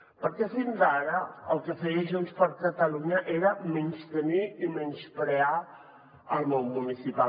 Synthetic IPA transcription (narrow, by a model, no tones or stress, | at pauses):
pəɾkɛfinzaɾəəlˠkəfəiʒunspəɾkət̪əluɲəʔeɾəmenst̪əniimɛnskɾea | əlˠmonmunisipa